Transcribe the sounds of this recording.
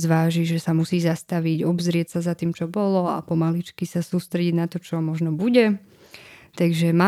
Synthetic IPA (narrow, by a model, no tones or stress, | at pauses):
zʋaːʒiʒɛsamusiːzast̪aʋiɟɔbzɾɪɛtsazat̪iːmt͡ʃɔbɔlɔa̰pɔmalit͡ʃkisasuːst̪ɾɛɟiɟnat̪ɔt͡ʃɔmɔʒnɔbuɟɛ | t̪aɡʒɛmaː